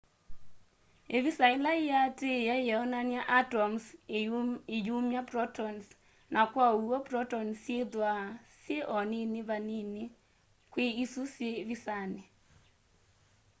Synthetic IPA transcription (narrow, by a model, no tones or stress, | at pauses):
evisailaijatejajɛɔnaniaʔatɔms | ijumjaprɔtɔns | nʔakwauɔprɔtɔnseðwaseʔɔninɪβaninɪ | kweisuseβisanɪ